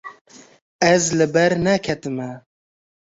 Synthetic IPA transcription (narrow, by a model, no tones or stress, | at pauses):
ɛzlɨbɛɾnɛkʰɛt̪ɨmɛ